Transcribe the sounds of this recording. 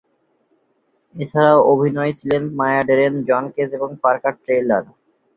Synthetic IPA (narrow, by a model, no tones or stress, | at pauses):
et͡ɕʰaɾaoʔobʱinɔjt͡ɕʰilenmajaɖeɾend͡ʑɔnkeseboŋpaɾkaʈʈɾejlaɾ